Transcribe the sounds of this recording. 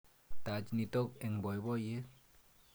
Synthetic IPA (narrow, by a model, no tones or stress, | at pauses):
tad͡ʒnit̪ɔk̚ɛŋbɔjbɔje